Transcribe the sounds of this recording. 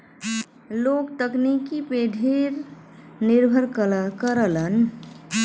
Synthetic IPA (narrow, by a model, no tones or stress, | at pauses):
lokt̪əknikipeɖʱiɾniɾbʱəɾkkəɾələn